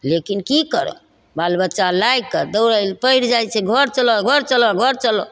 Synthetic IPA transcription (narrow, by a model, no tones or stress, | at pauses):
lekinkikəɾɔ̰ | balbətːʃalajkəɾd̪əʊɾəlpəiɾd͡ʒajt͡ʃʰɛɡʱəɾt͡ʃəlɔɡʱəɾt͡ʃəlɔɡʱəɾt͡ʃəlɔ